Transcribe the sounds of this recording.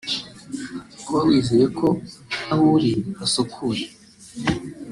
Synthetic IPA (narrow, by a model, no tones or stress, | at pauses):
ukwawiːzejekʰo̞ahuɾiasukʰuɾe